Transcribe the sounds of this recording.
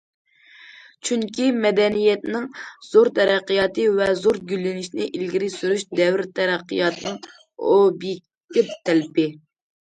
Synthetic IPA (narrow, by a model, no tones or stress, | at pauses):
t͡ʃʰyŋkʲimɛd̪ɛnijɛt̪nɪŋz̥oɾt̪ʰɛɾæqːəjɑt̪ɨvɛzoɾɡʲylːɪnɪʃnɪʔilɡʲiɾɪsyɾyʃd̪ɛwɾt̪ʰɛɾæqːijɑt̪ɨnɨŋ | obi | t̪ɪp̚t̪ʰɛlpɪ